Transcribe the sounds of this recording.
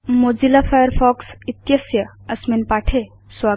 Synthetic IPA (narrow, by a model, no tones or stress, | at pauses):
moːd͡ʒilafʰajəɾfʰɔːksɪt̪jəsjəɐsminpaːʈʰe | swaː